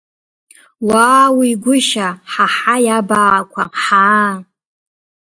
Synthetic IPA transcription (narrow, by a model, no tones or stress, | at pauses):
waːwiɡʷʊʃaħaħajabakʷʰaħaː